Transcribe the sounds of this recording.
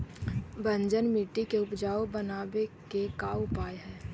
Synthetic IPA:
bə̃ɲd͡ʒənmiːʈikeʊpd͡ʒaːobənaːbekekaːʊpaːeɦɛː

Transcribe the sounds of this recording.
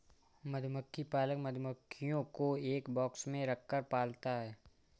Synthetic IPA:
məd̪ʱməkʰːipaːləkməd̪ʱməkʰːijõkoeːkbɔːksmẽɾɐkʰːəɾpaːlt̪aɦɛː

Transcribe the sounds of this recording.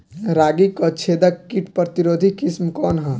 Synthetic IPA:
ɾaːɡikɔt͡ʃʰed̪əkːiʈpɾət̪iɾoːd̪ʱikismkɔːnɦə̃

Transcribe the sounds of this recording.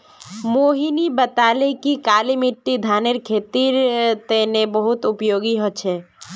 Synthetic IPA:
moɦinibət̪alekikalimiʈːid̪ʱaneɾkʰet̪iɾt̪enebəɦut̪upjoɡiɦot͡ʃʰɛ

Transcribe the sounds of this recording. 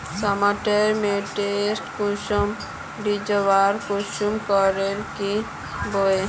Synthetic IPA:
samaʈeɾmeʈesʈkuʃɔm | ɖid͡ʒəʋaɾkuʃumkɔɾeɾki | boe

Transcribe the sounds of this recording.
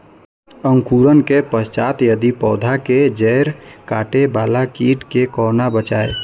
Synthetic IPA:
əŋkuːɾənkepəst͡ʃaːt̪jəd̪ipɔːd̪ʱaked͡ʒɛɾkaːʈebaːlakiːʈkekɔːnabət͡ʃaːḛ

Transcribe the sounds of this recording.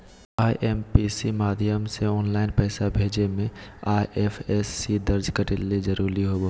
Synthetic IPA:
aːiʔeːmpiːsimaːd̪ʱɪjəmseɔːnlaːɪnpɛːsabʱeːd͡ʒemẽaːjʔeːpʰɛːsːid̪ɐɾd͡ʒkəʈelːezɐɾuːɾiɦobo

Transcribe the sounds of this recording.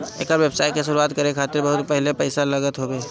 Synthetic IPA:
eːkəɾʋeːbsaːɪkesʊɾuaːt̪kɐɾẽkʰaːt̪ɪɾbɐɦʊt̪pɛɦlepɛɪsalɐɡət̪ɦoːbeː

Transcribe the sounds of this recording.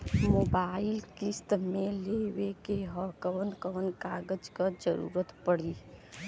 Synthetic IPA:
moːbaːɪlkɪst̪mẽleːʋekeɦəkəwənkəʋənkaːɡəd͡ʒkad͡ʒəɾṵːɾət̪pəɽiː

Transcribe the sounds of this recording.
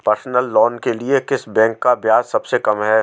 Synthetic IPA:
pɐɾsnəlːɔːnkeliekɪsbɛ̃ːŋkːabjaːzsɐbsekɐmɦɛː

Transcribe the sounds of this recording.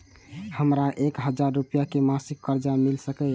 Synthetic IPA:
həmɾaʔekɦəd͡ʒaɾːupijakemasikːəɾd͡ʒamilsəkə

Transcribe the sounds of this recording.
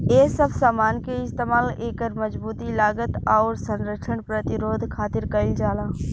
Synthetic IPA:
eːsəbsaːmaːnkeɪst̪eːmaːleːkəɾməd͡ʒbuːt̪ilaːɡət̪aːɾsə̃nɾəkʃʰənpɾət̪ɪɾoːd̪ʱkʰaːt̪ɪɾkəɪld͡ʒaːlãː

